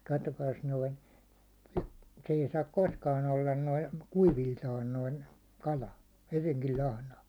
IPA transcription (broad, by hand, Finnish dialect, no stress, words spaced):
kɑtːokɑːs noin se ei sɑːk koskɑn olːɑn noin̞ kuiʋiltɑːn noin̞ kɑlɑ hyʋiŋkil lɑhnɑ